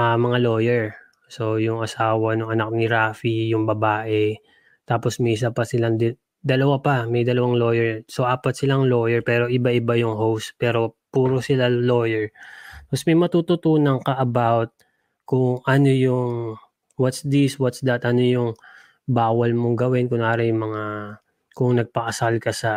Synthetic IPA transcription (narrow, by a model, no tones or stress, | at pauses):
ɐmɐŋalo̞jɛɹ | so̞jʊŋɐsaːwɐnʊŋɐnak̚nɪɾaːfijʊŋbɐbaːʔɛ | t̪aːposmiːs̬ɐpɐsɪlaŋd̪ | d̪ɐlɐwapɐmɛjd̪ɐlɐwaŋlo̞ːjɛɹso̞ʔaːpɐt̪̚sɪlaŋlo̞ːjɛɹpɛːɾo̞ʔɪbaʔɪbajʊŋɦowst̪pɛːɾo̞puːɾosɪlaloːjɛɹposmɐjmɐt̪uːt̪ʊt̪uːnɐŋkɐʔɐbawt̪̚ | kʊŋʔɐno̞jʊŋ | wɐt̪sd̪iswɐt̪sd̪ɐt̪ʔɐno̞jʊŋ | baːwɐlmoŋɡɐwɪnkʊŋaːɾɪjʊŋmɐŋa | kʊŋnɐɡ̚pɐʔɐsalkɐsɐ